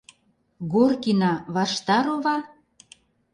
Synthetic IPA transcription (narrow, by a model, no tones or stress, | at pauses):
ɣorkinɑβɑʃt̪ɑɾoβɑn